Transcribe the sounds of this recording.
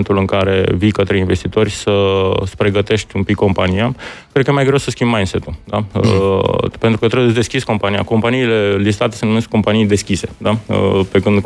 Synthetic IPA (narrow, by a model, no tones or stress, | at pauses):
nt̪ulɨŋkaɾe̞̰vikət̪ɾe̞inve̞st̪it̪o̞rʲsəspɾe̞ɡət̪e̞ʃt̪ʲumpikːo̞mpanijakɾed̪̚kəjemajɡɾewsəskʲimbmajnse̞t̪uld̪aə̰pent̪ɾukət̪ɾees̬d̪eskʲisko̞mpanija̰ko̞mpaniːle̞lis̬t̪at̪e̞senomeskːo̞mpanijd̪e̞skʲise̞̥d̪aə̰pekɨnd̪